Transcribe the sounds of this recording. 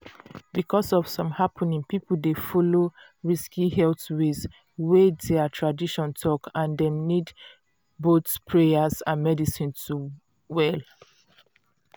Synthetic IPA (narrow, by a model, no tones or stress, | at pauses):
bikʰɔsɔv̥sɔ̃mhapʰɔnĩŋpipəl̩defɔlo | ɹiskihɛlθwiz | wedɛatʰɹadiʃɔ̃ntʰɔkãndɛ̃mnid | botpʰɹeəsãnmɛdisĩntu | wɛl